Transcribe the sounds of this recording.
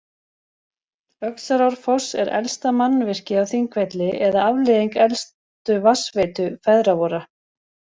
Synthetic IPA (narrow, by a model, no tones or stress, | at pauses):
œksaɾawɾ̥fɔ̥sɛ̰ɾɛ̰lst̪amanːvɪr̥cɪawθiŋkvɛt̪lɪʔɛðaavlɪðiŋkɛlstt̪ʏvasveːt̪ʏfɛðɾavɔɾa